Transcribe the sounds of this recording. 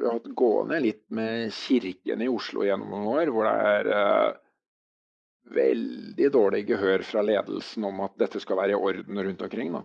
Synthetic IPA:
ɪɑhɑt̪ːɡo̰ːənəlɪt̪ːmɛçɪɾkə̰nɪʊʂlʊ̰jɛnːɔ̰mnʊnoːɾʋʊɖɛ̰æɾ | ʋɛld̪ɪd̪oːɭɪɡəɦøːɾfɾɑleːd̪l̩sn̩ɔmɑt̪̚d̪ɛt̪ːəskɑlʋæːɾəɪʔɔɾd̪n̩ɾʉnt̪ɔmkʰɾɪŋːd̪ɑ̰

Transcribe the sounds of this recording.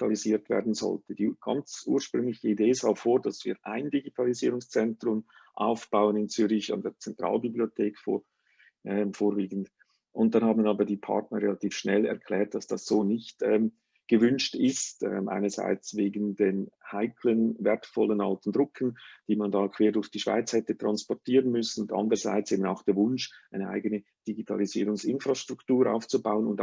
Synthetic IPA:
tʰaliziːɐtv̥ɛ̰ːɐdn̩zɔ̰ltəd̥iːɡ̥ɑ̰nt͡sʔṵːɐʃpʁʏŋlɪçəideːzɑːfoːɾd̥ɑsv̥ḭːɾʔa̰ɪndiɡitʰɑliziːɾʊŋst͡sɛntɾʊm | ʔa̰ʊfb̥aʊənɪnt͡syːɾɪça̰ndeːɐt͡sɛntʁ̥ɑ̰ːlbibliotʰeːkfo̰ | ʔɛmfoːɾviːɡən̩d | ʔʊnt̚d̥ɑnhɑːbn̩ɑːbədiːpʰɑ̰ʁtnəɾʁelɑtʰiːfʃnɛlɛ̰ʁkʰl̥ɛːɾt̚d̥ɑsd̥ɑsz̥oːnɪçtɛːm | ɡ̥əvʏnʃtɪstɛ̰mʔa̰ɪnəz̥a̰ɪt͡sveːɡən̩denhaɪkʰlənvɛɾtfɔlənɑltn̩dʁʊkʰən̩d̥iːmɑndɑːkʰv̥eːɐdʊɾçd̥iːʃv̥a̰ɪt͡shɛtətʁ̥ɑnspɔtʰiːʁənmʏsn̩ʊntɑ̰ndəʁəza̰ɪt͡seːbəna̰ʊxd̥eːɐvʊnʃʔaɪnəʔa̰ɪɡənə | d̥iɡitʰɑ̰liziːɾʊŋsɪnfʁaʃtʁ̥ʊktuːɾʔa̰ʊft͡subaʊənʊnt

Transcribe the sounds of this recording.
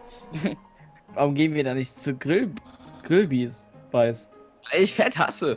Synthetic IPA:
vaːʁʊmɡeːbnviːɐdanɪçtt͡suɡʁɪlɡ̥ʁɪlbiːsv̥aɪsvaɪlɪçfɛtha̰sə

